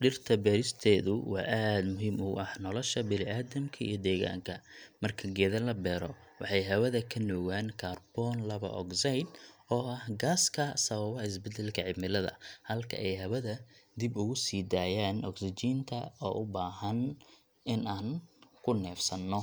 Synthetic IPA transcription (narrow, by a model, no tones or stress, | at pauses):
ɖɪrt̪ʰɐbɛːɾɪst̪ʰɛːðʊ̰wɑ̰ːʔaːd̪mʊɦiːmʊɐhnɔlɔʃɐbɪlɪʔaːðɐmkʰɐḭjɞd̪ɛːɣa̰ːŋkʰɐmɐrkʰɐɡɛːðɐlɐbɛːɾɔ | wɑħɑjɦɐβɐðɐkʰɐnɔɣaːnkʰaːrb̥ɔːnlɐβɐ̰ʔɔ̰ksajd̪ɔːʔɐhɡaːskʰɐsɐβɐβɔɪs̬bɛd̪ɛlkʰɐʕɪbmɪlɐðɐ̰hɐlkʰɐ̰ʔɛjhɐβɐðɐd̪ɪbʊɣʊsiːd̪aːjaːnɔksɪt͡ʃiːnt̪ʰɐɔ̰ːʔʊbaːɦɐn | ɪnaːnkʰʊnɛːfsɐnːɔ